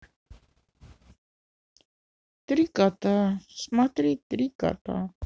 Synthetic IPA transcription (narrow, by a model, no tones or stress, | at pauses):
t̪ɾikat̪asmat̪ɾit̪ɾika̰t̪a̰